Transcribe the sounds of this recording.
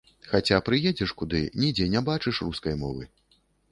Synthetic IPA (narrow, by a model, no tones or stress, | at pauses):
xat͡sʲapɾɨjɛd͡zʲɛʂkud̪ɨnʲid͡zʲɛnʲɛbat͡ʂɨʂruskɐjmɔvɨ̰